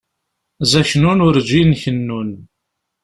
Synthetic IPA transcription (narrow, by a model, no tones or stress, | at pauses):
zæçnunʊɾd͡ʒinçənːun